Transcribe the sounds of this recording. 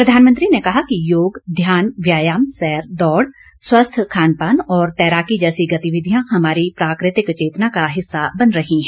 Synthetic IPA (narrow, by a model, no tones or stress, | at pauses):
pɾɐd̪ʱaːnmə̃nt̪ɾinekɐɦakijoːɡd̪ʱjaːnʋjaːjaːmsɛːɾd̪ɔːɽ | swɐst̪ʰkʰaːnpaːnɔːɾt̪ɛːɾaːkid͡ʒɛːsiɡɐt̪iʋɪd̪ʱijãhɐmaːɾipɾaːkɾɪt̪ɪkt͡ʃeːt̪nakaɦɪsːabɐnɾɐɦiɦɛ̃ː